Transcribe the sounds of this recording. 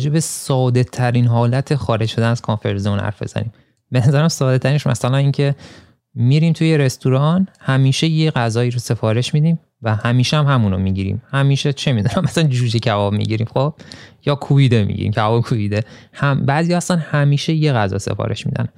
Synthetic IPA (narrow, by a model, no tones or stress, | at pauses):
d͡ʒe̞besɒːd̪e̞t̪ʰæɾinɦɒːlæt̪ʰexɒːɾe̞d͡ʒʃo̞d̪ænæz̥kʰonfeɾzemunhæ̰ɾfbe̞̰z̥æ̰nḭm | be̞næzæɾæmsɒːd̪et̪ʰæɾinemæ̰sælæniːncʰe̞ | miːɾiːmt̪ʰujeɾest̪uɾɒnhæmiːʃejeɣæzɒːiːɾose̞fɒːɾe̞ʃmid̪iːm | væhæmiːʃeæmhæmunomiɟiɾḭːmhæmiːʃet͡ʃʰemid̪unæmæsænd͡ʒuːʃicʰævɒːbmḭɟiɾimxob̥̚jɒːkʰuvid̪emḭɟḭɾḭmkcʰævɒbekʰuviːd̪ehæmbæːzijɒːhæst̪ænhæmiːʃe̞je̞ɣæzɒ̰ːse̞̰fɒ̰ːɾe̞̰ʃmḭd̪æ̰n